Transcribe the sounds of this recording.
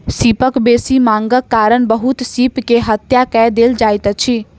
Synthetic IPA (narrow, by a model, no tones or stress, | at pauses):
siːpəkbeːsiːmãːŋɡəkːaːɾəɳbəɦʊt̪siːpkeɦət̪jaːkɛːd̪eːld͡ʒaːjt̪ət͡ʃʰiː